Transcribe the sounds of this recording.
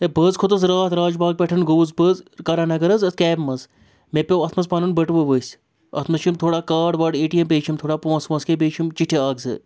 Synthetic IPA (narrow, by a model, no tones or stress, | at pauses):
ebɐzkʰut̪ɐsɾaːt̪ʰɾaːd͡ʒbaːɡ̚pʲeʈʰɐnɡoːzbəzkɐɾaːnɐɡɐɾɐzɐt̪kɛːbmɐz | mepʲeʋɐt̪ʰmɐzpɐnɐnbɐʈʋɨʋəsʲ | ɐ̰t̪ʰmɐʃt͡ʃʰimt̪ʰoːɽaːkaːɖʋɐɖeːʈijɐmpeːt͡ʃʰimt̪ʰoːɽaːpõːsmɐskep̬eːt͡ʃʰimt͡ʃiʈʰeaːɡzɨ̰